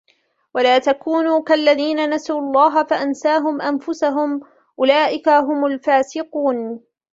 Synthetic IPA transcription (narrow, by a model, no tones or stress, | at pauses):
walaːt̪akuːnuːkalːaðiːnanasuːɑlˤːɑːɦafaʔansaːɦʊmʔanfʊsaɦʊm | ʔʊlaːʔɪkaɦʊmʊlfaːsɪquːn